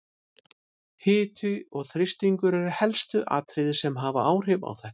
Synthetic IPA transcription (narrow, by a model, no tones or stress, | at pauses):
hɪːt̪ʰʏɔɣθɾɪst̪iŋkʏɾɛɾʏhɛlst̪ʏʔa̰ːt̪ʰɾɪðɪsɛmɦaːvaaːwr̥ɪva̰wθɛn̥